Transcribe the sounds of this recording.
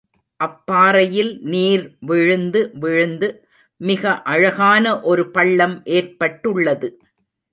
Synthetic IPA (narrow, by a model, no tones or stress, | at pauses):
ʔɐpːaːɾɐjɪlniːɾʋɪɻɯnd̪ɯʋɪɻɯnd̪ɯ | mɪɣɐʔɐɻɐɣaːnɐʔɔɾɯpɐɭːɐmʔeːrpɐʈːɯɭːɐðɯ